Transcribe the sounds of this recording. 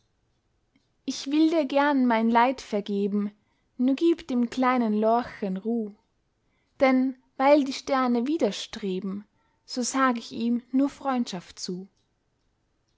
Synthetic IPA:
ʔɪçv̥ɪldiːɐɡɛɐnmaɪnlaɪtfɛɐɡeːbm̩ | nuːɐɡiːpd̥eːmkʰl̥aɪnənlɔɐçənʁuː | d̥ɛn | vaɪldiːʃtɛɐnəviːdɐʃtʁ̥eːbm̩ | z̥oːzaːɡəɪçiːmnuːɐfʁ̥ɔʏntʃaftt͡suː

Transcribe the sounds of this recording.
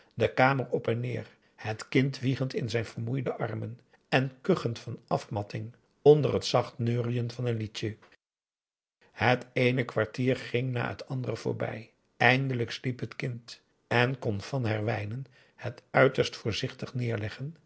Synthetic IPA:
dəkaːmərɔpɛnɪːɹ | hətkɪntʋiχəntɪnzɛjnv̥əɹmujdəʔɑɹmən | ɛnkøχəntfɑnɑfmɑtɪŋ | ɔndərɦətsɑχtnøːrijənvɑnənlitə | hətejnəkʋaɹtiːɹχɪŋna̰ːɦə̰tʰɑndərəv̥ʊ̰ːɹbɛ̰j | ɛjndələkslipɦətkɪnt | ɛnkɔnv̥ɑnɦɛɹʋɛjnən | hətœɥtəɹstfʊːɹzɪχtəχnɪːɹlɛχən

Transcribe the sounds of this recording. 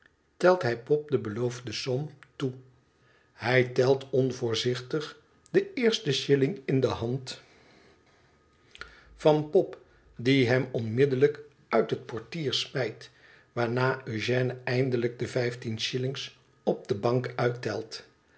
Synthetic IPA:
tɛlˠtɦɛjpɔp̚dəbəlowvdəsɔmtu | hɛjtɛlˠtɔnvʊːɹzɪχtəχ | dəɪːɹstəʃɪlɪŋɪndəɦɑnt | fɑnpɔp | diɦɛmɔnmɪdələk | œɥtɦət̚pɔɹtiːɹsmɛjt | ʋaːɹnaːʔøʒɛːnəɛjndələɡ̚dəvɛjftinʃɪlɪŋs | ɔb̚dəbɑŋkœɥtɛlˠt

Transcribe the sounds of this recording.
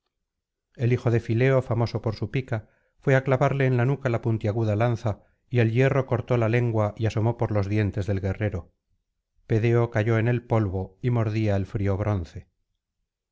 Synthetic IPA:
e̞lixo̞ðe̞file̞o̞famo̞so̞po̞ɾsupika | fwe̞aklaβaɾle̞ːnlanukalapunt̪jaɣ̞uðalanθa | ie̞lje̞ro̞ko̞ɾt̪o̞lale̞ŋɡwaʔiaso̞mo̞po̞ɾlo̞zðje̞nt̪e̞zðe̞lɣe̞re̞ɾo̞ | pe̞ðe̞o̞kaʝo̞e̞ne̞lpo̞lβo̞imo̞ɾðiaelfɾio̞β̞ɾo̞nθe̞

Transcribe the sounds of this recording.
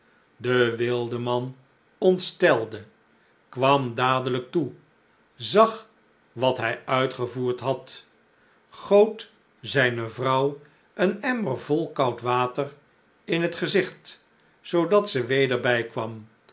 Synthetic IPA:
dəʋɪlˠdəmɑn | ɔntstɛlˠdə | kʋɑmdaːdələk̚tu | zɑχ | ʋɑtɦɛjœɥtχəvuːɹtɦɑt | χowt | zɛjnəvrʌw | ənɛməɹvɔlˠkɑwtʋaːtər | ɪnɦətχəzɪχt | sowdɑtsəʋejdəɹbɛjkʋɑm

